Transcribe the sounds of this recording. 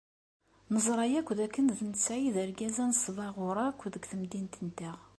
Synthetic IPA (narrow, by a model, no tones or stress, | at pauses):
nəzˤɾˤɑjækʷːðækːənðənt͡sːæjiðəɾɡæzænsˤvɑʁʊɾˤækʷːðəɡθəmd̪int̪ənt̪æʁ